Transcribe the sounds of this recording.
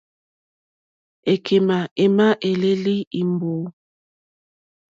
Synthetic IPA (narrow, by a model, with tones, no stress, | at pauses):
e˨kʰe˨ma˨e˨ma˦ʔe˨le˦li˦i˨mbo˨˦